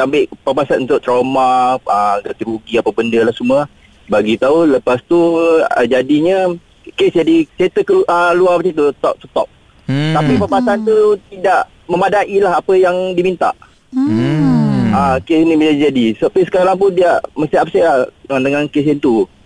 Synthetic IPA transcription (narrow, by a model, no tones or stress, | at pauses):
tambɪʔpapasat̪unt̪ʊʔt̪ɾawmaəɡat̪əluɡiapabəndəlahsumə | baɡit̪auləpast̪ṵd͡ʒadiɲə | kesd͡ʒadit͡ʃet̪əkəʔəluapt͡ʃit̪ut̪ɔ̰ʔ̚t̪ət̪ɔ̰ʔ̚ | t̪apipapasant̪ut̪idaʔ | məmadaʔilaɦapəjaŋdimint̪a̰ʔ | əkesiniməd͡ʒadid͡ʒadisapisə̥kaɾaŋp̬ʊndiaʔməst̪iap̚sɛad̪əŋankes̬ɪnt̪u